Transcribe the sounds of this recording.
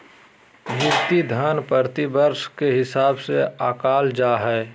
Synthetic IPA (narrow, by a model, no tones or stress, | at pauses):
jʊkt̪id̪ʱənpəɾt̪ibəɾʃkeɦɪsaːbseaːkaːld͡ʒaːɦɛː